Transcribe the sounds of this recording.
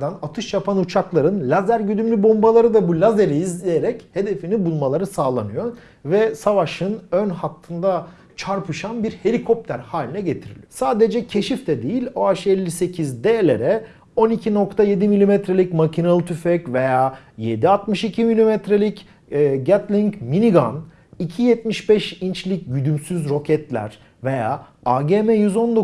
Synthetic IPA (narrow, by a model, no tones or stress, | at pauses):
d̪anat̪ʰɯʃjapʰanut͡ʃʰaklˠaɾɯnlʲazæɾɟyd̪ymlʲybo̞mbalˠaɾɯd̪abulʲazeɾiizlʲejeɾɛche̞d̪e̞finibulˠmalˠaɾɯsaːlˠa̰nɯjo̞ | vɛsavaʃɯnønhat̪ʰːɯnd̪a | t͡ʃʰaɾpʰɯʃanbiɾhe̞lʲikʰo̞p̚t̪ʰæɾhaːlʲinɛɟe̞t̪ʰiɾḭlʲijosaːd̪ed͡ʒɛcʰe̞ʃift̪ʰɛd̪ejilʲo̞aʃɯɛlʲːise̞cʰizd̪elʲḛɾɛ | o̞nicʰino̞kt̪ʰaje̞d̪imilʲimɛt̪ɾelʲicmacʰinalˠɯt̪ʰyfɛcve̞jaːjed̪iat̪mɯʃicʰimilʲimɛt̪ɾelʲicː | ɟat̪lʲiɲcminiɡa̰n | icʰijɛt̪̚miʃbɛʃint͡ʃlʲicɟyd̪ymsyzɾo̞cʰɛt̪lʲæ̰ɾ̥ | ve̞jaː | aɟeːmɛjyzo̞nd̪o